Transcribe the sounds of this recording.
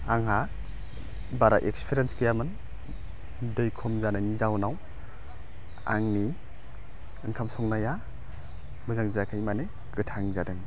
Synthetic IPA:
aŋɦa | baɾaʔekspʰiɾenskɯjamɯn | dɯjkʰɔmzanajnizawnaw | a̰ŋni | ɯŋkʰamsɔŋnaja | mɯzaŋzakʰɯjmane | ɡ̥ɯtʰaŋzadɯŋ

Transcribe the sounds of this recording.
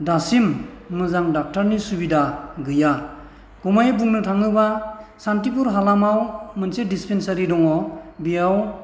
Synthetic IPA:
dasimːɯzaŋdak̚taɾnisubidaɡɯja | ɡ̥umajbuŋnɯtʰaŋɯbasantipuɾɦalamawmɯnsedispensaɾidɔŋɔbiaw

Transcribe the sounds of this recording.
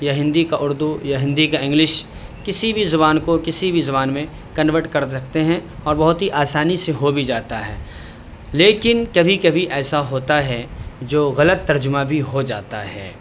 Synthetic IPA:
jaɦɪ̃nd̪ikaʔʊɾd̪ujaɦɪ̃nd̪ikaɪ̃ŋɡlɪʃ | kɪsibʱizʊbaːnkokɪsibʱizʊβaːnmẽ | kɐnʋəɾʈkɐɾɐkt̪eɦɛ̃ɔːɾbɐɦʊt̪ɦiʔaːsaːniseɦobʱid͡ʒaːt̪aɦɛ̰ː | leːkɪnkɐbʱikɐbʱiʔɛːsaɦoːt̪aɦɛd͡ʒoːɣɐlət̪ːɐɾd͡ʒʊmãbʱiɦod͡ʒa̰ːt̪a̰ɦɛ̰ː

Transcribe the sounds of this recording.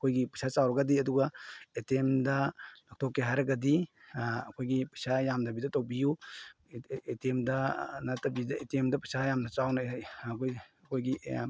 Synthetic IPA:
ɐkʰojɡipɐsʰat͡ʃawɾɐɡɐdiɐduɡɐetemdɐnak̚tʰɔkːeɦajɾɐɡɐdi | ɐkʰojɡipɐsʰajamdɐbidɐtowbiju | etemdɐnɐtɐbidɐetemdɐpɐsʰajamnɐt͡ʃawnɐkojɐkʰojɡi

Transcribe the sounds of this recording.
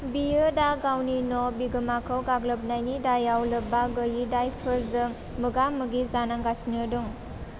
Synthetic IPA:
bijɯdaɡawninɔbiɡɯmakʰɯwɡaɡlɯp̚najnidajawlɯbaɡəjidajpʰɯɾzɯŋ | mɯɡamɯɡizanaŋɡasinɯduŋ

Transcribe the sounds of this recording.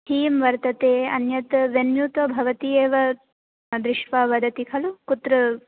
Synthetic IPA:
tʰiːmʋɐɾt̪ɐt̪eːɐ̰njɐt̪ʋenjut̪ɐbʱɐʋɐt̪ieːʋɐ | d̪ɾɪʃʋaʋɐd̪ɐt̪ikʰɐlukut̪ɾɐ

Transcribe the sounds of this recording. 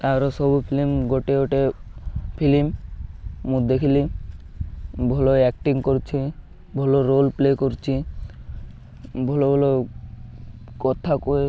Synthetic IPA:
t̪aɾɔsɔbupʰilimɡoʈeoʈe | pʰilimː | ũd̪ekʰili | bʱɔloɛk̚ʈiŋkoɾt͡ʃʰi | bʱɔloɾolplekoɾt͡ʃʰi | bʱɔlobʱɔlo | kɔt̪ʰakoe

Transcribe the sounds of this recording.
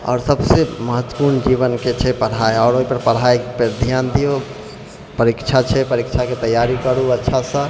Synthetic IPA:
ɔ̰ːɾsəbseməɦət̪ːwə̥puɾnd͡ʒiβənket͡ʃʰɛpəɽ̤aeɔːɾoɦipəɾpəɽ̤ajpeɾd̪ʱjand̪ijo | pəɾikt͡ʃʰat͡ʃʰɛpəɾikt͡ʃʰaket̪əjːaɾikəɾuətːʃʰasə̃

